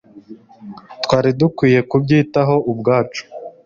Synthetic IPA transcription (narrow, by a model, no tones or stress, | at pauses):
twaːɾidukwiːje̞kubɟiːtaɦo̞ʔubɡaːt͡ʃu̥